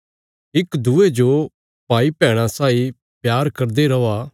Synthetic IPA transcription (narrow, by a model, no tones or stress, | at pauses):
ɪkd̪ʱued͡ʒo | paːipɛ̃ːɽ̃ãsaːi | pjaːɾkɐɾd̪eɾɐʋa